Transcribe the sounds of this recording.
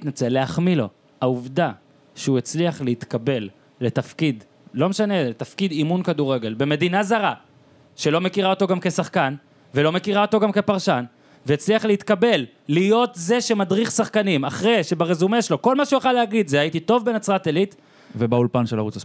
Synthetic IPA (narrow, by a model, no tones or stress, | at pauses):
t̪nat͡seleaχmilo̞ | auvd̪a | ʃeuet͡sliaχleit̪kabe̞lː | e̞t̪afkid̪ | lo̞meʃane̞et̪afkid̪imunkad̪uʁe̞ɡe̞lbe̞me̞d̪inazaʁa | ʃe̞lo̞me̞kiʁao̞t̪o̞ɡamke̞saχkan | ve̞lo̞me̞kiʁao̞to̞ɡamke̞paʁʃan | veːt͡sliaχleit̪kabe̞lː | ijot̪ze̞ʃemadʁiχsaχkanimaχʁeʃe̞baʁezumeʃelo̞ko̞lmaʃujeχaleaɡid̪zeajit̪it̪o̞vbe̞nat͡sʁat̪elit̪ | vebaulpanʃelaʁut͡sa